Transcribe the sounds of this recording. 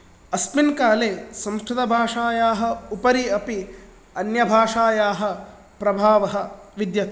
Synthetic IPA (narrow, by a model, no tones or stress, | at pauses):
ɐspinkaːleːsɐ̃mskʰɾud̪ɐbʱaːʂaːjaːɦɐ̆upɐɾiɐpi | ɐnjɐbʱaːʂaːjaːɦɐ̆ | pɾɐbʱaːʋɐɦɐʋid̪jɐt̪